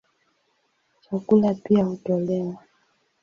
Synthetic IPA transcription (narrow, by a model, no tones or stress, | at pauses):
t͡ʃakulapiahutɔlɛwa